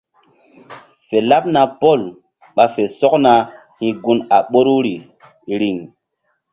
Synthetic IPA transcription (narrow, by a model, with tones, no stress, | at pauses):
fe˨la˦p̚na˦po˦˨l | ɓa˨fe˨sɔ˦k̚na˧ | hĩ˦ɡu˦na˨ɓo˦ɾu˦ɾi˨ | ɾi˨ŋ